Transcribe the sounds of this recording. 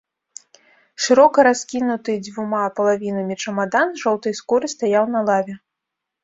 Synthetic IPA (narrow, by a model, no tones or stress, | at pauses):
ʂɨɾɔkɐɾaskʲinut̪ɨd͡zʲvumapɐlˠavʲinɐmʲit͡ʂɐmad̪anʐɔwt̪ɐjskɔɾɨst̪ajawnɐlˠavʲɛ